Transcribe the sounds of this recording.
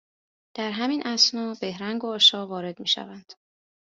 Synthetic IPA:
d̪̥æɾɦæminʔæsnɒːbe̞hɾæŋɡoːʃɒːvɒːɾe̞d̪miːʃæ̰vænd̪̥

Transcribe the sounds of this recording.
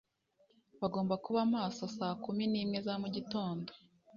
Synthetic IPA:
βaɡo̞ːmbakuβamaːso̞saːkuminiːmŋe̞zamuɟito̞ːndo

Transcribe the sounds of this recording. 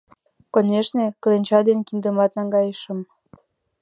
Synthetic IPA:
koneʃneklenʲt͡ɕɑd̪enkind̪əmɑt̪nɑŋɡɑjəʃə̆m

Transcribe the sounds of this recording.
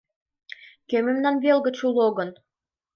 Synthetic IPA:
kømɘ̆mnɑnβelɣə̆t͡ɕulˠoɣɤ̆n

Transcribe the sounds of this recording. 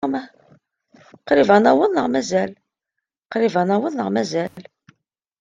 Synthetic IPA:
mæ | qɾivænæwənːəʁmæzæl | qɾivænæwənːəʁmæzæl

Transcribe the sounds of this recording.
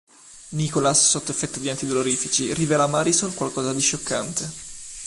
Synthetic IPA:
nikolasːot̪ːoefːɛt̪ːod̪iant̪id̪oloɾiːfit͡ʃirivɛːlamaɾisonkwalkɔːzad̪iʃokʰːant̪e

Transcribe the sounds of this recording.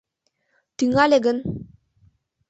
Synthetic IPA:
t̪yŋaleɡən

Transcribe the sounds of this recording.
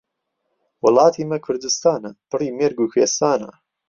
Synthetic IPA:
wʊlˠɑːt̪ʰiːmɐkʰʊɾd̪ɨst̪aːnɐt̪ɨriːmeːɾɡukweːst̪aːnɐ̰

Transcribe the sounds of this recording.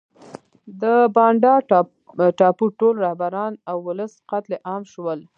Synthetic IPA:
d̪əbɑɳɖɑ | ʈɑpuʈolɾahbaɾɑnawːʊləsqat̪leʔɑmʃwəl

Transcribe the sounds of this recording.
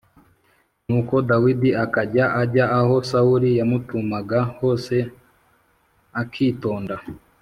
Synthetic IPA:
nuːko̞dawidiakaɟaʔaɟaʔːho̞sauɾijamutumaɡaho̞ːse̞ | akʰiːto̞ːnda

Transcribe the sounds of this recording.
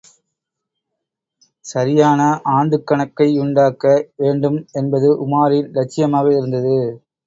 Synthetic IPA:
sɐɾɪjaːnɐʔaːɳɖɯkːɐɳɐkːɐɪʊɳɖaːkːɐʋeːɳɖɯmɛnbɐðɯʔʊmaːɾɪllɐt͡ʃːɪjɐmaːɣɐɪɾɯnd̪ɐðɯ

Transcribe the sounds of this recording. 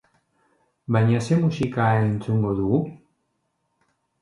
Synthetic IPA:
bajɲase̞musikaent͡suŋɡo̞ðuɣu

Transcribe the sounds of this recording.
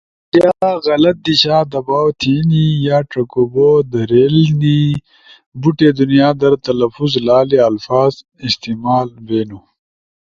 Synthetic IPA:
tjaːɣɐlɐt̪̚d̪iɕaːd̪ɐbaːwt̪ʰiːnijaːʈɐkobod̪ɐɾeːlni | buʈed̪unijaːd̪ɐɾt̪ɐlɐfuzlaːleɐlfaːz | ist̪iːmaːlveːnu

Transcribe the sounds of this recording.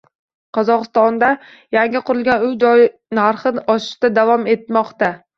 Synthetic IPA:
qʰɒzɒqɨst̪ɒnd̪a | jaŋʲɪqʊɾɪlɡʲanʊjd͡ʒɒjnaɾχɨɒʃɪ̥ʃt̪ad̪avɒme̞t̪̚mɒqt̪a

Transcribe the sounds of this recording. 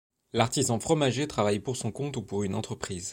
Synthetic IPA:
laʁt̪izɑ̃fχɔmaʒet̪χavajpuʁsɔ̃kɔ̃t̪upuʁynɑ̃t̪χəpχiːz

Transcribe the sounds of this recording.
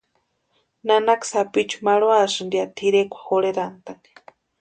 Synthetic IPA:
nanaksapit͡ʃʰu̥maɺwasɨnd̪iat̪ʰiɾekʷʰḁxoɺeɾant̪ani̥

